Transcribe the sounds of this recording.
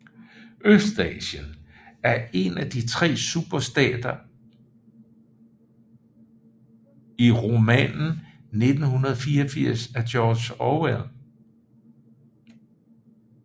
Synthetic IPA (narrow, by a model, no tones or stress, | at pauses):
ʔøsd̥ɛ̰ːɕənæɐe̝næd̥it͡sʰʁɛ̰ːsub̥ɐsd̥ɛ̰ːd̥ɐ | iʁo̝mɛ̰nn̩ne̝d̥n̩hunɐð̞̩ˠɒfiːɐɒfiɐ̰sæd̥ɒːd̥ɕɒwɛðˠ